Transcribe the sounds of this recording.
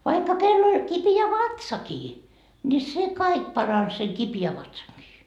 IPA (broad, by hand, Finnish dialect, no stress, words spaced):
ʋɑikːɑ kelː olʲ kipiæ ʋɑtsɑkiː nʲi se kɑik pɑrɑns seŋ kipiæ ʋɑtsɑŋkiː